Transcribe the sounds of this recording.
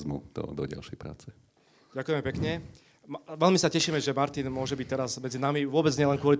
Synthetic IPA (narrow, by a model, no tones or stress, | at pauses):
zmṵd̪̥ɔ̰d̪ɔ̰ɟa̰lʃɛjpɾa̰ːt͡sɛ | ɟakujɛmɛpɛkɲɛ | ʋɛlmisacɛʃiːmɛʒɛmaɾt̪inmʊɔʒɛbic̚t̪ɛɾazmɛd͡zinamiʋʊɔbɛd͡zɲɪɛlɛnkʊɔli